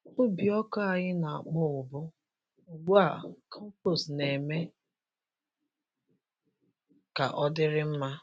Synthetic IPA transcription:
ʊ˦bi˨ɔ˦kɔ˦a˨ɲɪ˦na˨a˨k͡pʊ˦ʊ˨bʊ˦ | o˨ɡ͡bu˦a˦˨kʰɔ˦m̩˦po˨sne˨me˦ | ka˨ʔɔ˦dɪ˦ɾɪ˦m̩˦ma˦

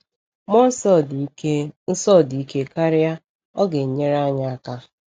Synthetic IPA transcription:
mɔ˦s | n̩˦sɔ˦˨di˨i˦ke˦ka˦ɾɪ˦ja˦ | ɔ˦ɡe˨ɲe˦ɾa˦ɲa˦a˦˨ka˦

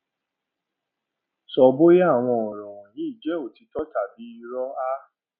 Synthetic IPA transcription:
sɔ˧bo˦ja˦˨w̃ɔ̃˧ɔ˨ɾ̃ɔ̃˨wɔ̃˨nĩ˨˦i˦˨d͡ʒɛ˨˦o˦˨ti˨˧tɔ˦ta˨bi˨˦i˧ɾɔ˦a˦

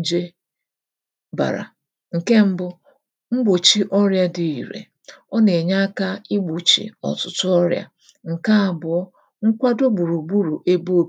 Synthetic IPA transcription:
d͡ʒe˦ | ba̰˨ɾa̰˨ | ŋ̩˨ke˦m̩˦bʊ˦ | ŋ͡m̩˦ɡ͡bo˨t͡ʃi˦ʔɔ˦ɾja˦dɪ˨i˨ɾḛ˨ | ɔ˦ne˨ɲa˦ka˦i˦ɡ͡bu˨t͡ʃḭ˨ɔ̰˨tʊ˨tʊ˦ɔ˦ɾja̰˨ | ŋ̩˨ka˦a˨bʊ˨ɔ˦ | ŋ̩˦kʷa˦do˦ɡ͡bu˨ɾu˨ɡ͡bu˦ɾu˨ʔe˦bo˦b

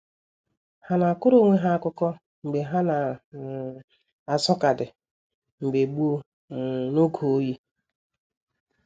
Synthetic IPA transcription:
ha˦na˨kʊ˦ɾo˦˨ŋʷe˦ɦa˦a˦˨kʊ˦kɔ˦ | ŋ͡m̩˨ɡ͡be˨ɦa˦na˨ | a˨sɔ˦ka˨dɪ˨ | ŋ͡m̩˨ɡ͡be˨ɡ͡bu˦o˦ | no˦ɡʰo˨o˦ji˦

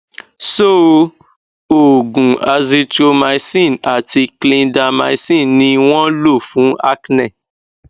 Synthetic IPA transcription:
so˦˨ | o˨ɡũ˨a˧zi˧to˧ma˧i˦sĩ˦˨na˨ti˧klĩ˧nda˧ma˧i˧sĩ˦˨nĩ˧w̃ɔ̃˦lo˦˨fũ˨˦a˦knɛ̃˦˨

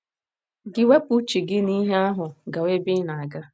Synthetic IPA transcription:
ɡɪ˦we˦pu˦t͡ʃi˨ɡɪ˦ni˦ɦe˦a˦ɦʊ˨ɡa˨we˦bɪ˦na˨a˨ɡa˦

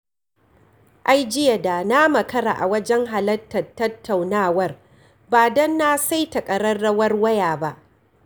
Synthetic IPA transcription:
ʔa˦jd͡ʒɪ˦ja˨daː˨na˦mɐ˨kɐ˦ɾa̰ː˨ʔa˨wɐ˦d͡ʒɛ˦ŋɦa˨lɐ˦tːɐ˨tːɐ˦tːa˨wnaː˦˨wɐ˦r | baː˨dɐ˦nːaː˦sa˦jtɐ˨kʼɐ˨ɾɐ˦rːɐ˦wɐ˦rwɐ˦jaː˨ba˦ʔ

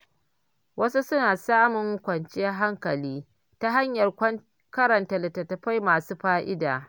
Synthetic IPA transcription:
wɐ˦su˦sʊ˦naː˨saː˦mʊ˨ŋ˦kʷɐ˨nt͡ʃe˦a˦ɦa˦ŋkɐ˨liː˦ | ta˦ɦa˦ɲjɐ˨r | kɐ˦ɾɐ˨nta˨lɐ˨tɐ˨tɐ˨ɸa˦jmaː˨suː˦ɸaː˦ʔɪ˦da̰ː˨

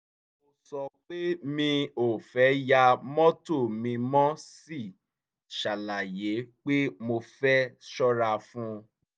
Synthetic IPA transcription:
mo˧sɔ˧k͡pe˦mĩ˧o˨fɛ˨˦ja˧mɔ̃˦to˦˨mĩ˧mɔ̃˦si˦˨ | ʃa˨la˨je˨˦k͡pe˦mo˧fɛ˦ʃɔ˦ɾa˧fũ˦

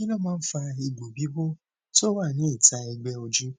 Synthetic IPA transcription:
i˦lɔ˦˨mãː˦n̩˦fa˧i˧ɡ͡bo˨bi˦bo˦ | to˦wa˦˨nĩ˨˦i˦˨ta˧ɛ˧ɡ͡bɛ˧o˧d͡ʒu˦

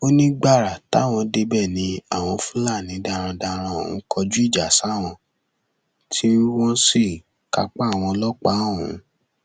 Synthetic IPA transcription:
o˦nĩ˦ɡ͡ba˦˨ɾa˨ta̰˦˨w̃ɔ̃˧de˧bɛ˦˨nĩ˧a˦˨w̃ɔ̃˧fũ˦la˦˨nĩ˨˦da˧ɾ̃ã˧da˧ɾ̃ã˧˨ṵ̃˨˦kɔ˧d͡ʒu˦i˦˨d͡ʒa˨sa˨˦˨w̃ɔ̃˧ | tʰi˦wɔ̃˦si˦˨ | ka˧k͡pa˦˨w̃ɔ̃˧lɔ˦k͡pa˦˨wṵ̃˨˦

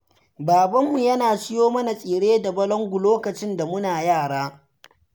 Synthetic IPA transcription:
baː˨bɐ˦mːu˨jɐ˦naː˨sɪ˦joː˦mɐ˦na˨sʼiː˨ɽeː˦da˨bɐ˦lɔ˦ŋɡʷʊ˨loː˦kɐ˨t͡ʃɪ˦nda˨mʊ˦naː˨jaː˦˨ɽaː˦

